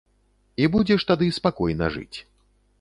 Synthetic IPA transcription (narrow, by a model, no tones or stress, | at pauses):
ibud͡zʲɛʂt̪ad̪ɨspakɔjnɐ̰ʐɨ̰t͡sʲ